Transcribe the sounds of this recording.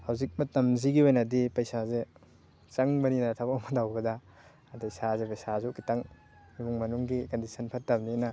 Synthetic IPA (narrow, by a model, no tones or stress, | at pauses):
hawzik̚mɐtɐmziɡiojnɐdipɐjsaze | t͡ʃɐŋmɐninɐtʰabakmɐdawbɐdɐ | tɐjsazepɐjsazukitɐŋ | mimuŋmɐnuŋɡikɐndisʰɐnpʰɐt̚ːɐmninɐ